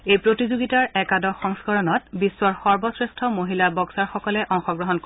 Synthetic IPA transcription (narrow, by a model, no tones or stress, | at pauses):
ejpɹotizoɡitaɹɛkadɔxɔŋskɔɹɔnɔtbisːwaɹxɔɹbɔsɹestʰɔmoɦilabɔksaɹxɔkɔlɛʔɔŋxɔɡɹɔɦɔnko